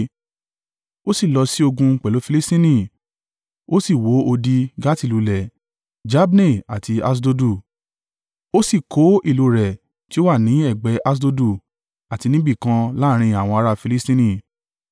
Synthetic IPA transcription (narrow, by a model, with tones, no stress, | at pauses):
o˦si˦˨lɔ˧si˦o˧ɡũ˧k͡pɛ˨lo˨˦fi˧li˦stĩ˦nĩ˦˨ | o˦si˦˨wo˨˦o˧di˧ɡa˦ti˦˨lu˨˧lɛ˨ | d͡ʒa˦bne˦˨a̰˨ti˧a˦s̬do˧du˦˨ | o˦si˦˨kʰo˨˦ʔi˦˨lo˧ɾɛ˨ | ti˨˦o˦wa˦˨nĩ˨˦ɛ˦˨ɡ͡bɛ˨˦ʔa˦s̬do˧du˦˨ | a˨ti˧nĩ˦bi˦˨kã˧la˦ɾ̃ĩ˧a˨w̃ɔ̃˧a˧ɾa˦fi˧li˦stĩ˦nĩ˦˨